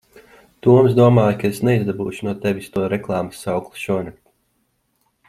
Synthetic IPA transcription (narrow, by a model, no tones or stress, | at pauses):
t̪uɔmsd̪uɔmaːjukaesnɛizd̪abuːʃunuɔt̪ɛʋʲist̪uɔɾɛklˠɑːmasːawklˠu̥sʃuɔnɛk̚t̪ʲ